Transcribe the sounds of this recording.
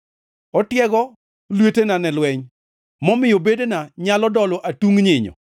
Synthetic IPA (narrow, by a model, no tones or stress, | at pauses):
ɔtjɛɡɔ | lwetenanɛlwɛɲ | mɔmɪjobedenaɲalɔdɔlɔʔatuŋɲɪɲɔ̰